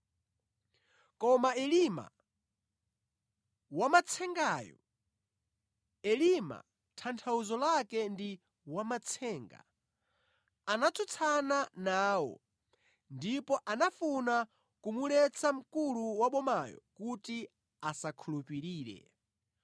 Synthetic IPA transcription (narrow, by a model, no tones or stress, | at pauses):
kɔmaɛlima̰ | wamat͡sʰɛŋɡajɔ̰ | ɛlima̰ | tʰantʰauzɔlakɛndi | wamat͡sʰɛːŋɡa̰ | anat͡sʰut͡sʰananaːwɔ̰ | ndipɔʔanafuna | kumulɛt͡sʰam̩kuluwaɓɔmajɔ̰kuti | asakʰulupiɾiːɾɛ̰